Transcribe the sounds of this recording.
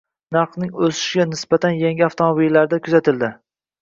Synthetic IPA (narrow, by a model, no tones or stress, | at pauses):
naɾqnɪŋɵsɪ̥ʃɡʲanɪsbat̪ʰanjaŋɡʲɪaft̪ʰomobilːaɾd̪akʲʰʊzat̪ʰɪld̪ɪ